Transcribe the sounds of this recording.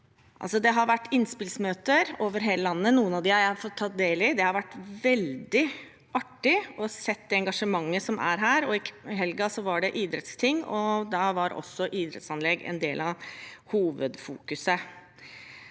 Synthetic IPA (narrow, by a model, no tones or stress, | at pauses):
ʔɑ̰lsɔd̪ɛɦɑɾʋæʈːɪnːspɪlsmøːt̪əɾoːʋəɾɦeːləlɑnːənuːənɑʋd̪ɪhɑjæfɔt̪ʰːɑːt̪̚d̪eːlɪd̪ɛhɑɾʋæʈːʋɛld̪ɪ | ɑʈːɪɔsɛt̪d̪ɛɛŋɡɑʂəmɑŋːəsɔmʔæ̰ɾɦæːɾɔɪɦɛlɡɑsɔʋɑɖɛʔiːd̪ɾɛt̪st̪ʰɪŋːɔd̪ɑʋɑɾʔɔ̰sːɔʔiːd̪ɾɛ̰t̪sɑnlɛɡɛ̰nd̪eːlɑhuːʋəd̪fṵːkʉsə